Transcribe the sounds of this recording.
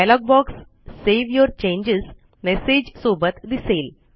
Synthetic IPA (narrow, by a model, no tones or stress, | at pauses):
ajlɔɡ̚bɔksː | eʋjɔɾt͡ɕẽɲd͡ʑez | mesed͡ʑsobət̪d̪isel